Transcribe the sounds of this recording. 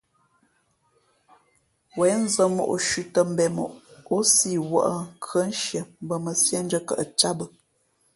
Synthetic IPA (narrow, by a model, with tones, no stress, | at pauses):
wɛ˨˦n˦zə˨mo̰˨ʔʃʉ˨tə˨m̩˨bɛ˨mo̰˨ʔo˦si˦˨wə̰˦˨ʔə˦˨ŋkʰɰə˦n˦ʃjə˨m˦bə˦˨mə˨sjɛ˦n˦d͡ʒə˦kə̰˨ʔə˨t͡ʃa˦bə˦